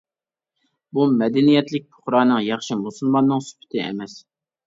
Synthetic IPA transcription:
bumɛd̪ɛnijɛt̪lɪk̚ʲpʰʊ̥χɾɑːnɨŋjɑχʃɨnbosunmɑnːɨŋsy̥pʰɪ̥t̪ʰɪɛ̰mɛs

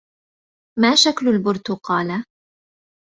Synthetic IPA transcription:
maːʃaklʊlbʊɾt̪ʊqɑːla

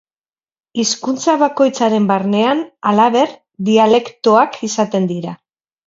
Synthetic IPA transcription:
iskunt͡saβ̞ako̞jt͡saɾe̞mbaɾne̞analaβe̞ɾ | d̪iale̞kt̪o̞akʰisat̪e̞nd̪iɾa

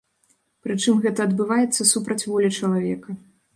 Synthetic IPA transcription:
pɾɨt͡ʂɨmɣɛt̪ɐːd̪bɨvajɛt̪sːɐsupɾɐt͡sʲvɔlʲit͡ʂɐlˠavʲɛkɐ

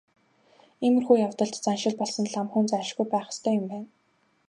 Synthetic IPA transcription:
emɘ̆rxuːjawt̪ə̆ɮt̪t͡sanʃɪ̆ɮpɔɮsə̆nɮamχɵnt͡saʃɡujpæːχə̥̆st̪ʰœːjʊmpæːn

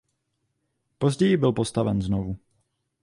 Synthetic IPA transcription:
po̞zɟɛjɪbɪlpo̞st̪avɛnznovu

